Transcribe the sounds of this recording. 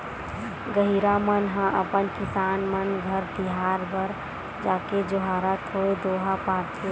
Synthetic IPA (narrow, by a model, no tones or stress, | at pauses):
ɡəɦiɾamənɦə̃ʔə̰pənkɪsaːnmənɡʱəɾd̪iɦaːɾbəɾ | d͡ʒaːked͡ʒoɦaːɾət̪ʰɦoed̪oːɦapaːɾt̪ʰe